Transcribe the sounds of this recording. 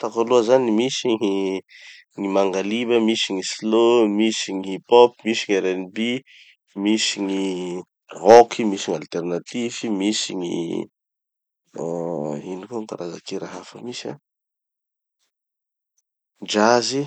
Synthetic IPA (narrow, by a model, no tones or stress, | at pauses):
t̪akaluəzanimisiŋi | ŋimaŋɡalibəmisiŋislomisiŋipɔpmisiɲeɾenbi | misiŋi | rokʰimisiɲalt̪ernat̪ivimisiɲḭ | inikuŋkaɾaza̰keɾaɦafəmisa̰ | d͡ʒazi